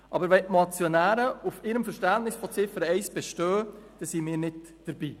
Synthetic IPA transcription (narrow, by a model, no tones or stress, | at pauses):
ʔɑ̰bəɾʋɛnʔmɑt͡sjonæːɾəufɪɾəmfəɾʃtæntnɪsfɔt͡sɪfəɾəɛɪsb̥ɛʃtøːd̥ɛsimɪːɾnɪt | d̥əɾbiː